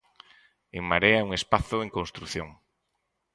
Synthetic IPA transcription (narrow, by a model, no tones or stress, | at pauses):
eŋmaɾeauŋespaθʊeŋkonst̪ɾuθjoŋ